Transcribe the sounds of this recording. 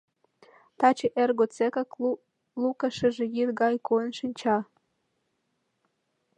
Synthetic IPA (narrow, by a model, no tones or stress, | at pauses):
t̪ɑt͡ɕeʔerɡot͡sekɑk | lukɑʃɘ̆ʒĕjirɡɑjkonʃɨnʲt͡ɕɑ